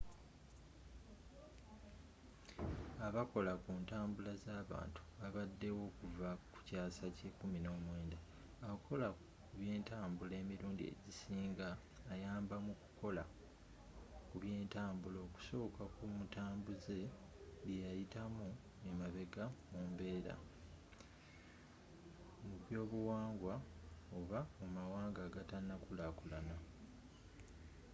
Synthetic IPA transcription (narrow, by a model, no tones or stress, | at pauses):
aβako̞lakuːntaːmbulazaːβa̰ːntu̥aβadːe̞wo̞ːkuvaku̥caːsace̞kumino̞ːmwe̞ːnda | akʰo̞la | kuβje̞ːntaːmbule̞ːmiɾuːndiḛɟisiːŋɡaː | jaːmbamuku̥ko̞la | kuβje̞ːntaːmbulo̞ːku̥so̞ːkakumutaːmbuze̞ | βjejajitamu | emaβe̞ɡamumbe̞ːɾa̰ | muβjo̞ːβuwaːŋɡwaoβamumawaːŋɡaːɡatanːakulakulana